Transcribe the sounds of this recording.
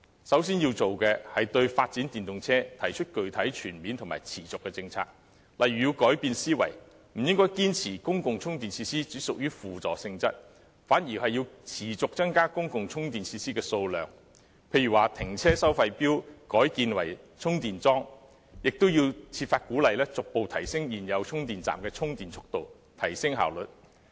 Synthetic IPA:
sɐ˨˥wsiː˥njiː˧wt͡so˨wkɛː˧hɐ˨jt̪ɵ˧ɥfaː˧t̚t͡siː˨˥nt̪iː˨nt̪ʊ˨ŋt͡sʰɛː˥t̪ʰɐ˨˩jt͡ʃʰɵ˥t̚kɵ˨ɥt̪ʰɐ˨˥jt͡ʃʰyː˨˩nmiː˨˧nt̪ʰʊ˨˩ma̰ː˨˩jt͡sʰiː˨˩t͡sʊ˨kːɛː˧t͡sɪ˧ŋt͡sʰa̰ː˧k̚ | lʔɐ˨jɥyː˨jiː˧wkɔː˨˥jpiː˧nsiː˥wɐ̰˨˩j | m̩˨˩jɪ˥ŋkɔː˥jkiː˥nt͡sʰiː˨˩kʊ˥ŋkʊ˨ŋt͡sʰʊ˥ŋt̪iː˨nt͡sʰiː˧siː˥t͡siː˨˥sʊ˨k̚jyː˥fuː˨t͡sɔ̰ː˨sɪ˧ŋt͡sɐ̰˥t̚ | faː˨˥njiː˨˩hɐ˨jiː˧wt͡sʰiː˨˩t͡sʊ˨k̚t͡sɐ˥ŋkaː˥kʊ˥ŋkʊ˨ŋt͡sʰʊ˥ŋt̪iː˨nt͡sʰiː˧siː˥kɛː˧so˧wlœ̰ː˨ŋ | pʰe˧jɥyː˨˩waː˨˩t̪ʰɪ˨˩ŋt͡sʰɛː˥sɐ˥wfɐ˧jpiː˥wkɔː˨˥jkiː˧nwɐ̰˨˩jt͡sʰʊ˥ŋt̪iː˨nt͡sɔː˥ŋ | jɪ˨k̚t̪ʊ˥wjiː˧wt͡sʰiː˧t̚faː˧t̚kuː˨˥lɐ˨jlɛː˥t͡sʊ˨k̚po˨˧wt̪ʰɐ˨˩jsɪ˥ŋjiː˨˩njɐ˨˧wt͡sʰʊ˥ŋt̪iː˨nt͡sa̰ː˨mkɛː˧t͡sʰʊ˥ŋt̪iː˨nt͡sʰʊ˥k̚t̪o˨w | t̪ʰɐ˨˩jsɪ˥ŋɦa̰ː˨˩wlɵ˨t̚

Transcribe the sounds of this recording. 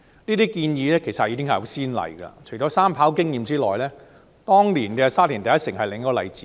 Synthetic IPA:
niː˥t̪iː˥kiː˧njiː˨˧lɛː˥kʰe˨˩jsɐ˨t̚jiː˨˧kɪ˥ŋhɐ˨jho˨˧wsiː˥nlɐ̰˨jɡɐ̰˧t͡ʃʰɵ˨˩ɥɔː˨˧saː˥mpʰaː˨˥wkɪ˥ŋjiː˨˧mt͡siː˥lɔː˨jlɛː˥ | t̪ɔː˥ŋliː˨˩nkɛ˧saː˥t̚liː˨˩nt̪ɐ˨jɐ˥t̚sɪ˨˩ŋhɐ˨jlɪ˨ŋ˥kɔː˧lɐ̰˨˧jt͡siː˨˦

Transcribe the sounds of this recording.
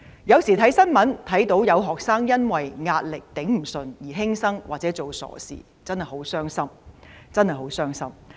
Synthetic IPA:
jɐ˨˧wsiː˨˩t̪ʰɐ˨˥jsɐ˥nmɐ˨˥nt̪ʰɐ˨˥jt̪o˨˥wjɐ˨˧wɦɔː˨k̚saː˥ŋjɐ˥nwɐ˨jŋaː˧t̚lɪ˨k̚t̪ɪ˨˥ŋm̩˨˩sɵ˨njiː˨˩ɦɪ˥ŋsɐ˥ŋwaː˨t̚t͡sɛː˨˥t͡so˨wsɔ̰ː˨˩sḭː˨˩ | t͡sɐ˥nhɐ˨˩jho˨˥wsœː˥ŋsɐ˥mt͡sɐ˥nhɐ˨˩jɦo˨˥wsœː˥ŋsɐ˥m

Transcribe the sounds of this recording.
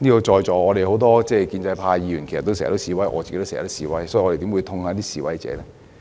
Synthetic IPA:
niː˥ko˧t͡ʃɔː˧jt͡ʃɔː˨˩ɔː˨˧e˨jho˨˥wt̪ɔː˥t͡sɛː˥˧kiː˧nt͡sɐ˧jpʰaː˧jji˨˧ɥyː˨˩nke˨˩sɐ˨t̪ːsɛ̰ː˨˩t̪o˥wsiː˨˧wɐ˨˥jʔɔ̰ː˨˧t͡ɕi˨ke˥t̪sɛ̰˨˩t̪ːsiː˨˧wɐ˨˥jsɔ˨˥jɔ˨˧ɾe˨t̪i˨˥wu˨˧t̪ʰʊ˧ŋhaː˨˧˥t̪iː˥siː˨wɐ̰˨˥jt͡sɛ̰ː˨˧lɛː˥

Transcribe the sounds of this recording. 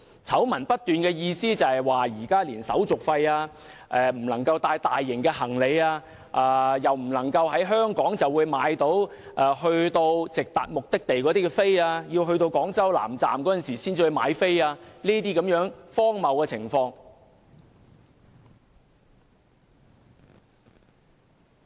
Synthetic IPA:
t͡sʰɐ˨˥wmɐ˨˩npɐ˥t̚t̪ːyː˨nkɛː˧jiː˧siː˥t͡sɐ˨hɐ˨˩jwaː˨jiː˨˩kaː˥liː˨˩nsɐ̰˨˥wt͡sʊ˨k̚fɐ˧jaː˧ | ʔɛː˨˧m̩˨˩lɐ˨˩ŋkɐ˧wt̪aː˧jt̪aː˨jːɪ˨˩ŋkɛː˧hɐ˨˩ŋle˨˧jaː˧ | ʔaː˧jɐ˨˩wm̩˨˩lɐ˨˩ŋkɐ˧wɦɐ˨˥jɦœː˥ŋkɔː˨˥ŋt͡sɐ˨wuː˨˧jmaː˨˥jt̪o˨˥w | ʔɛː˨˩hɵ˧ɥt̪o˧wt͡sɪ˨k̚t̪a̰ː˨˩t̚mʊ˨k̚t̪ɪ˥k̚t̪e˨jkɔː˨˥t̪iː˥kɛ˧fe˥jaː˧jiː˧wɦɵ˧ɥt̪o˧wkɔː˨˥ŋt͡sɐ˥wla̰ː˨˩mt͡sa̰ː˨mkɔː˨˥ɐ˥˨nsiː˨˩siː˥nt͡si˧wɵ˧jma̰ː˨˧jfe˥jaː˧niː˥t̪iː˥kɐ˨˥mjœː˨˥ŋfɔː˥ŋmɐ˨wkɛː˧t͡sʰɪ̰˨˩ŋfɔː˧ŋ

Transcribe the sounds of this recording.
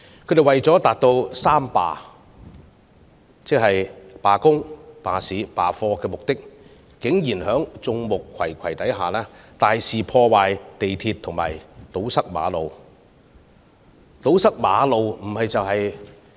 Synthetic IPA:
kʰɵ˨˧˥d̪e˨jwɐ˨jt͡sɔː˨˥t̪aː˨t̚t̪o˧wsaː˥mpa̰ː˨˧ | t͡sɪ˥k̚hɐ˨jpaː˨kʊ˥ŋpaː˨siː˨˥paː˨fɔː˧kɛː˧mʊ˨k̚t̪ɪ˥k̚ | kɪ˨˥ŋjiː˨˩nhœː˨˥ŋt͡sʊ˧ŋmʊ˨kʰwɐ˨˩jkʰɐ˨˩jt̪ɐ˨˥jɦaː˨˩laː˥t̪aː˨jsiː˨pʰɔː˧waː˨jt̪e˨jt̪ʰiː˧t̪ʰːʊ˨˩ŋma̰ː˨˩jt̪o˨˥wsɐ˥k̚ma̰ː˨˧lo˨w | t̪o˨˥wsɐ˥k̚ma̰ː˨˧˥lo˨˧wm̩˨˩hɐ˨jt͡sɐ˨whɐ˨j

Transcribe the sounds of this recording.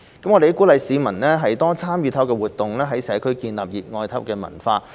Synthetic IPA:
kɐ˨˥mɔː˨˧ɾe˨i˥ku˨˥lɐ˨˧jsiː˨˧mɐ˨˩nlɛː˥ɦɐ˨jt̪ɔː˥t͡sʰaː˥mjyː˨˧t̪ʰɐ˨˥wkɛː˧wuː˨˩t̚t̪ːʊ˨ŋlɛː˥ɦɐ˨˥jsɛː˨˥kʰɵ˥ɥkiː˧nla̰ː˨p̚jiː˨˩t̚ŋɔː˧jt̪ʰɐ˦˥pw̚kɛː˧mɐ̰˨˩nfaː˧

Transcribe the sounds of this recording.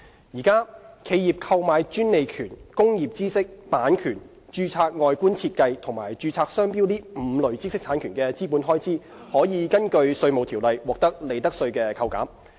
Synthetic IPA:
jiː˨˩kaː˥kʰe˨˧jiː˨p̚kʰɐ˧wmaː˨˧jt͡ʃyː˥nne˨˧jkʰyː˨˩nkʊ˥ŋjiː˨p̚t͡siː˥sɪ˥k̚paː˨˥nkʰyː˨˩n | t͡ʃyː˧t͡sʰaː˧k̚ŋɔː˨˧jkuː˥nt͡sʰiː˧t̚kɐ˧jt̪ʰʊ˨˩ŋmaː˨˩jt͡ʃyː˧t͡sʰaː˧k̚sœː˥ŋpiː˥wt̪iː˥m̩˨˧˦lɵ˨˩ɥt͡siː˥sɪ˥k̚t̪ʰaː˨˥nkʰyː˨˩nkɛː˧t͡siː˥puː˨˥nɦɔː˥jt͡siː˥ | hɔː˨˥jiː˨˧kɐ˥nkɵ˧ɥsɵ˧ɥmo˨wt̪ʰiː˨˩wlɐ˨jwɔː˨k̚t̪ɐ˥k̚le˨˧jt̪ɐ˥k̚sɵ˧ɥkɛː˧kʰɐ˧wka̰ː˨˥m

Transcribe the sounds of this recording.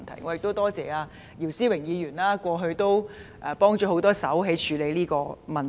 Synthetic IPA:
nt̪ʰɐ˨˩jŋɔː˨˧jɪ˨k̚t̪o˥wt̪ɔː˥t͡sɛː˨aː˧ | jiː˨˩wsiː˥wɪ˨˩ŋjiː˨˧jɥyː˨˩nlaː˥kʷɔː˧ɦɵ˧ɥt̪o˥wʔɛː˧pɔː˥ŋt͡ʃɔ˨˥ɦo˨˥wt̪ɔː˥sɐ̰˨˥wɦe˨˥jt͡ʃʰyː˨˧le˨˧jliː˥kɔː˧mɐ˨nt

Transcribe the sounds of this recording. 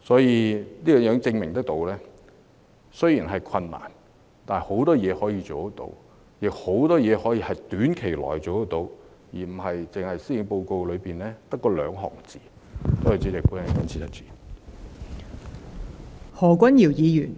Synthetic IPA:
sɔː˨˥jiː˧niː˥jœː˨˧ŋjœː˨˧ŋt͡sɪ˧ŋmɪ˨ŋt̪ɐ˥k̚t̪o˧wlɛː˥ | sɵ˥ɥjiː˨˩nɦɐ˨jkʰɐ˧nːa̰ː˨˩n | t̪aː˨ho˨˥wt̪ɔː˥jɛː˨˧hɔː˨˥jiː˧t͡ʃo˨wt̪ɐ˥t̪o̰˧w | jɪ˨k̚ho˨˥wt̪ɔː˥jɛː˨˧hɔː˨˥jiː˧hɐ˨jt̪yː˨˥nkʰe˨˩jlɔ̰ː˨˩jt͡so˨wɐ˥t̪o˧w | jiː˨˩m̩˨˩ɦɐ˨jt͡sɪ˨ŋhɐ˨jsi˥ɪ˨˧˥ŋpo˧wko˧wlɵ˨˧ɥpiː˨nlɛː˥t̪ɐ˥kːɔː˧lœ̰ː˨˧ŋɦɔ̰ː˨˩ŋt͡siː˨ | t̪o˥whɐ˨˩wt͡siː˨˥lɪ˨k̚puː˨˥nɐ˨˩kɐ˨˥nt͡sʰiː˧˥sʰɐ˥t̚t͡si̥ː˨˩ | hɔː˨˩kʷɐ˥nji˨˩wjiː˨˧jyː˨˩n

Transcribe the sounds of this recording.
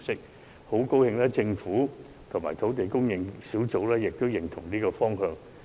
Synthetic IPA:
sɪ˥k̚ | ho˨˥wko˥whɪ˧ŋlɛː˥t͡sɪ˧ŋfuː˨˥ | t̪ʰʊ˨˩ŋma̰ː˨˩jt̪ʰo˨˥wt̪e˨jkʊ˥ŋjɪ˧ŋsiː˨˥wt͡so˨˥wlɛː˥jɪ˨k̚t̪o˥wjɪ˨˩ŋt̪ʰʊ̰˨˩ŋliː˥kɔː˧fɔː˥ŋhœː˧ŋ

